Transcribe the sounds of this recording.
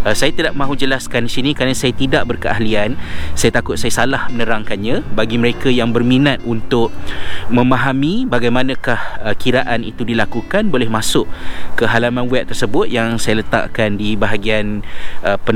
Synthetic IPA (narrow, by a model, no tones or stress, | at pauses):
ʔəsajat̪idaʔ̚mãɦud͡ʒəlaskandisinĩkɾanãsajat̪idaʔ̚bərkəa̰hliansajat̪akʊt̪̚sajasalahmənəɾaŋkanɲãbaɡiməɾekajaŋbərminat̪̚unt̪ʊʔ̚mə̃maɦamibaɡajmãnãkahəkiɾaʔanḭt̪udilakukanbolɛhmasʊʔkəɦalamãnwɛʔ̚t̪ərsəbʊt̪̚jaŋsajalət̪a̰ʔkandibaɦaɡianəpə